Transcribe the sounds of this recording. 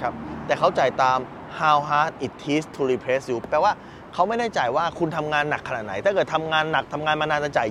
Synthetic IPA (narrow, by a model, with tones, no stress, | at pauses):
kʰa˦˥p̚t̪ɛː˨˩kʰa˦˥wt͡ɕa˨˩jt̪aː˧m | haː˧wɦaː˦˥t̪̚ʔi˨˩t̪ʰːiː˦˥st̪ʰu˧ɾiː˧pʰɾe˦˥sjuː˦˥pːɛː˨˧˩waː˥˩ | kʰa˦˥wma˥˩jdaː˥˩t͡ɕa˨˩jwaː˥˩kʰu˧nt̪ʰa˧mŋaː˧nːa˨˩kʰːa˧na˨˩t̪na˦jt̪a˥˩kɤ˨˩t̪ʰa˧mŋaː˧nːa˨˩k̚t̪ʰa˧mŋaː˧nmaː˧naː˧nt͡ɕa˧˥t͡ɕa˨˩